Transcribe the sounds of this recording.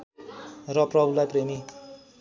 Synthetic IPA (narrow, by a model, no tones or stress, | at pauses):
rʌprʌbʱulajpremi